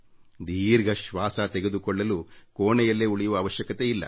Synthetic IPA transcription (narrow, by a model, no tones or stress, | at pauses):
d̪iːɾɡɐʃʋaːsaːt̪eɡed̪ukɔɭːɐlukoːɳɛjɐlːeuɭijuʋɐːʋɐʃjɐkɐt̪eilːɐ̰